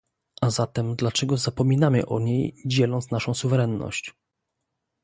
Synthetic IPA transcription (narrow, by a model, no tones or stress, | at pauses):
ʔazat̪ɛmd̪lat͡ʂɛɡɔzapɔmʲinamɘ̰ʔɔɲejd͡ʑɛlɔnt̪snaʂɔ̃w̃suvɛɾɛnːɔ̰ɕt͡ɕ